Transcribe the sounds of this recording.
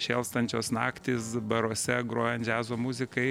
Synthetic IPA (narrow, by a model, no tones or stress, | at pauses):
ʃʲeːlˠst̪ɐnʲt͡ʃʲoːsnɑːkt̪ʲɪsbɐɾoːsʲɛɡɾoːjɛnt̪ʲd͡ʒʲæːzoːmʊzʲɪkɐɪ